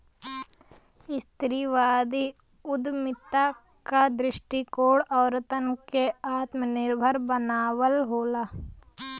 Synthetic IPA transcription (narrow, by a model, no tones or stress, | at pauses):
ɪst̪ɾiʋaːd̪i | ʊd̪mɪt̪a | kad̪ɾɪʃʈikoːɽɔːɾt̪ənkeaːt̪mənɪɾbʱəɾbənaːwəlɦoːlaː